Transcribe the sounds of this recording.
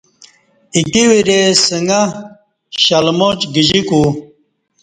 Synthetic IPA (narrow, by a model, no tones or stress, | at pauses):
ikiwiɾesəŋɐ | ɕɐlmot͡ɕɡid͡ʑiku